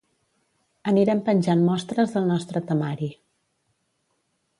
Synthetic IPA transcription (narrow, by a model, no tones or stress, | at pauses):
əniɾɛmpənʲʒanmɔst̪ɾəzðəlˠnɔst̪ɾət̪əmaɾi